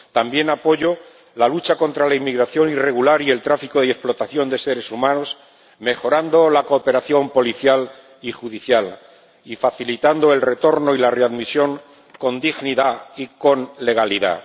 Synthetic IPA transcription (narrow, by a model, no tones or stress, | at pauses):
t̪ambje̞napo̞ʝo | lalut͡ʃako̞nt̪ɾalaimːiɣɾaθjo̞nire̞ɣulaɾie̞lt̪ɾafikoðee̞splo̞t̪aθjo̞nd̪e̞se̞ɾe̞sumãnos | me̞xo̞ɾand̪o̞lakoːpe̞ɾaθjo̞mpo̞liθjal | ixuðiθjal | ifaθilit̪and̪o̞e̞lre̞t̪o̞ɾno̞ilare̞aðmisjo̞ŋ | ko̞nd̪iɣniðaiko̞nle̞ɣ̞aliða̰